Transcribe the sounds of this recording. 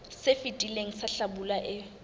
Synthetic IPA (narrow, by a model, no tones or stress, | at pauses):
sɪfɪtʼileŋ̩saɬabulaʔɪ